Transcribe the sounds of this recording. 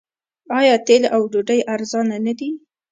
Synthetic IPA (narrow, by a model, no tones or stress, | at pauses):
ɑjɑt̪elʔawɖoɖajʔaɾzɑnanad̪i